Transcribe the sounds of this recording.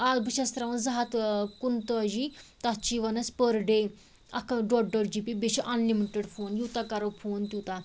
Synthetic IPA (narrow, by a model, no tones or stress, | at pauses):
albəʃɐst̪ɾaʋɐnzɐɦɐt̪kunt̪od͡ʒit̪ɐtt͡ʃiʋɐnɐspəɾɖe | ɐ̰kɖɔʈ̚ɖɔɾd͡ʒipibeʃiʔɐnlimiʈeɖfʰoːnjuːt̪akɐɾopʰoːnt̪ʲut̪a